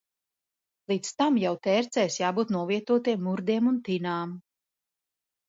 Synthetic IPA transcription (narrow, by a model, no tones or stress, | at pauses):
lˠiːt̪st̪amjawt̪ɛːɾt̪sɛjsjaːbuːt̪nuɔviɛt̪uɔt̪iɛmːuɾd̪iɛmunt̪inaːm